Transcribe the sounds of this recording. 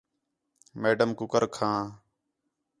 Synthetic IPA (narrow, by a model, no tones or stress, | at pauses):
meːɖəmkʊkəɾkʰãː